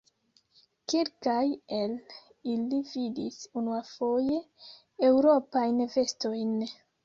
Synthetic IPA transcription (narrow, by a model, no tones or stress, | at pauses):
kelkajel | ilividḭsunuafoje̞ | ewɾopajnve̞sto̞jn